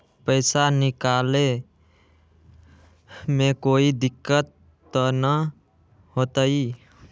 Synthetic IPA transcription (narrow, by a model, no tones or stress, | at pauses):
pəɪsanikale | mekoid̪ikːət̪ː | ənə | ɦot̪əi